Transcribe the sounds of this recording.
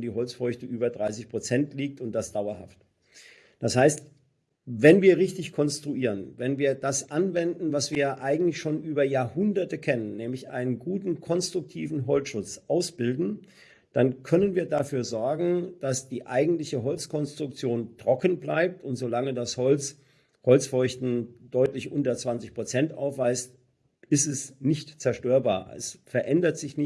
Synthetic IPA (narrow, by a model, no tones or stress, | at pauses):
ndiːɦɔlt͡sfɔʏçtəʔyːbɐdʁaɪsɪçpʁ̥ot͡sɛntʰliːk̚tʊnt̚d̥asd̥aʊɐha̰ft | d̥ashaɪst | vɛnviːɐʁɪçtɪçkʰɔnstʁ̥uiːʁənvɛnviːɐdasʔanvɛndn̩vasv̥iːɐjʔaɪɡŋ̩tlɪçʃoːnʔyːbɐjaːɐhʊndɐtəkʰɛnənːɛːmlɪçʔa̰ɪnənɡuːtn̩kʰɔnstʁ̥ʊk̚tʰiːvn̩ɦɔlt͡sʃʊt͡sʔaʊsb̥ɪldn̩ | d̥ankʰœnənviːɐdafyːɐzɔɐɡŋ̩d̥asd̥iːʔaɪɡŋ̩tlɪçəɦɔlt͡skʰɔnstʁ̥ʊk̚t͡sjoːntʁ̥ɔkn̩blaɪp̚tʊntz̥olaŋədashɔlt͡s | hɔlt͡sfɔʏçtn̩d̥ɔʏtlɪçʔʊntɐt͡sv̥ant͡sɪçpʁ̥ot͡sɛntʔa̰ʊfv̥aɪst | ɪstɛsnɪçtt͡sɛɐʃtøːɐba̰ːɐɛ̰sfɛɐʔɛndɐtz̥ɪçnɪ